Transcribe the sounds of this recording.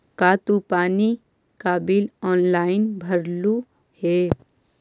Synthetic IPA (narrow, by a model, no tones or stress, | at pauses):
kaːt̪upaːni | kaːbɪlɔːnlaːɪnbʱəɾlu | he